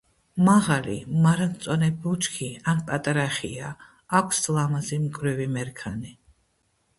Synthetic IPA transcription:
maʁalḭmaɾant̪sʼɔnɛbut͡ʃʰkʰianpʼat̪ʼaɾaχḭaː | kʷʰslˠamazimkʰʼɾivimɛɾkʰani

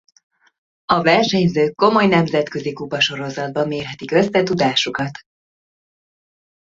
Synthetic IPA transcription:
ɒvɛrʃɛɲzøːkːo̞mo̞jnɛmzɛt̪kø̞zikupɒʃo̞ɾo̞zɒd̪̚bɒmːeːrɦɛt̪ikø̞sːɛt̪ud̪aːʃukɒt̪

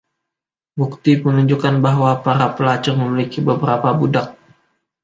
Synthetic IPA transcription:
buk̚t̪ipənuɲd͡ʒukanbaɦwapaɾapəlat͡ʃərməmilikibəbəɾapabudak̚

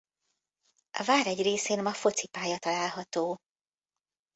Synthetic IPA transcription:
ɒ̰vaːɾɛɟreːseːnmɒfo̞t̪sipaːjɒt̪ɒlaːlɦɒt̪oː

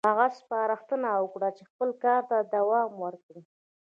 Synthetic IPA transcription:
haɣaspɑɾaxt̪ənawəkɽat͡ʃexpəlkɑɾt̪ad̪awɑmwəɾkɽi

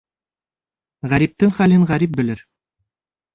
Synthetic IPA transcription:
ʁæɾip̚t̪ɘŋχælɘɴʁæɾip̚bɘ̆lɘɾ

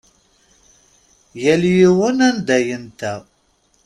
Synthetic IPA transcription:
jæljiwənænd̪æjənt̪æ

